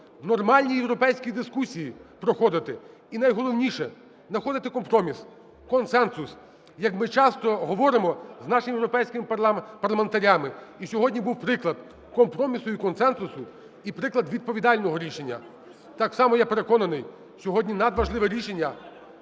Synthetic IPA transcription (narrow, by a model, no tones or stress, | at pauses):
nɔrmɑlʲnʲijewɾɔpɛjsʲkʲid̪ɪskusʲijipɾɔxɔd̪ɪt̪ɪ | inɐjɦɔlˠɔwnʲiʃɛ | nɐxɔd̪ɪt̪ɪkɔmpɾɔmʲis | kɔnsɛnsʊs | jɐkmɪt͡ʃɑst̪ɔɦɔʋɔɾɪmɔznɑʃɪmjwɾɔpɛjsʲkʲɪmɪp̪ˠpɐrlɐment̪ɐɾʲamɪisʲɔɦɔdʲnʲibuwpɾɪklˠɐd̪̚ | kɔmpɾɔmʲisʊikɔnsɛnsʊsʊ | ipɾɪklˠɐd̪ʋʲid̪̚pɔʋʲid̪ɑlʲnɔɦɔɾʲiʃe̞nʲːɐ̰ | t̪ɑksɑmɔjape̞ɾekɔnɐnɪj | sʲɔɦɔdʲnʲinɐd̪ʋɐʒlˠɪʋɛɾʲiʃenʲːɐ